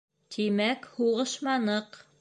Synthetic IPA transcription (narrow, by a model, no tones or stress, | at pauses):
t̪ʰimækhuʁɤʃmɑnɤq